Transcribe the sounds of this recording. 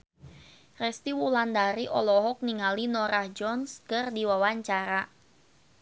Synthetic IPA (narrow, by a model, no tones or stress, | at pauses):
rɛst̪iwuland̪aɾiʔɔlɔɦɔk̚niŋalinɔɾahd͡ʒɔnskɨrdiwawaɲt͡ʃaɾa